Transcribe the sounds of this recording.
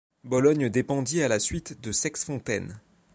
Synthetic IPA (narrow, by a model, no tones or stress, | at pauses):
bɔlɔɲd̪epɑ̃d̪ialasɥit̪d̪əsɛksfɔ̃t̪ɛ̰n